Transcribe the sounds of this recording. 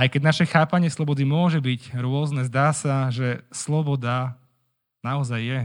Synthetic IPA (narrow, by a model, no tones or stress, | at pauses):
ajkɛɟnaʃɛxaːpaɲɪɛslˠɔbɔd̪imʊɔʒɛbiɟɾʊɔznɛzd̪aːsaʒɛslɔbɔd̪a | naɔzajːɛ